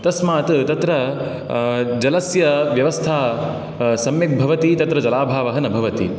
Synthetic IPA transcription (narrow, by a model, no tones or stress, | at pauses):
t̪ɐsmaːt̪t̪ɐt̪ɾɐ | d͡ʒɐlɐsjɐʋjɐʋɐst̪ʰaː | sɐmjɐk̚bʱɐʋɐt̪it̪ɐt̪ɾɐd͡ʒɐlaːbʱaːʋɐɦɐnɐbʱɐʋɐt̪ḭ